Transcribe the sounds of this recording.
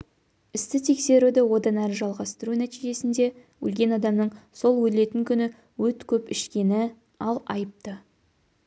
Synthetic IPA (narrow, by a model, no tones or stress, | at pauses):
ɪst̪ɪt̪ʰe̞kse̞ɾud̪ɪwo̞d̪ɑnæɾɪʒɑlˠʁɑst̪əɾunæt̪iʒe̞sɪnd̪e̞ | wɵ̰lɡʲe̞nɑd̪ɑmnəɴso̞lˠwɵle̞t̪ɪŋkʲʰʏnɪ | wɵt̪kʲʰɵpɪʃkʲe̞nɪ | ɑlˠɑjəp̚t̪ə